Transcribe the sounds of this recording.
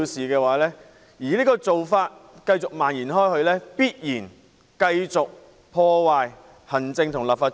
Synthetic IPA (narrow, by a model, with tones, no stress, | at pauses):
siː˨kɛː˧waː˨˦lɛː˥ | jiː˨˩liː˥kɔː˧t͡so˨wfaː˧t̚kɐ˧jt͡sʊ˨k̚maː˨˩njiː˨˩nɦɔː˥jhɵ˧ɥlɛː˥piː˥t̚jiː˨˩n | kɐ˧jt͡sʊ˨k̚ | pʰɔː˧waː˨˧j | hɐ˨˩nt͡sɪ˧ŋt̪ʰʊ˨˩ŋlaː˨p̚faː˧